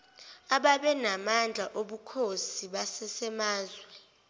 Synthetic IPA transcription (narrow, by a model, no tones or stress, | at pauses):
aɓaɓɛnamand͡ɮʱaʔoɓukʰosiɓasɛsɛmaːzwɛ